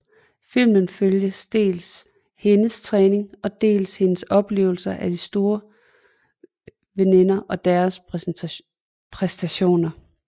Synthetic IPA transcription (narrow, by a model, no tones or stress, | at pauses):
fil̰mənføljəsd̥e̝̰ːls | he̝nəst͡sʰʁɛːne̝ŋɒ̽d̥e̝̰ːlshe̝nəsɒ̽b̥le̝̰ːʊl̩sɐʔæd̥isd̥o̝ːɐ | ʋene̝nɐʔɒ̽d̥æɐs | pʰʁɛsd̥æɕo̝̰ːnɐ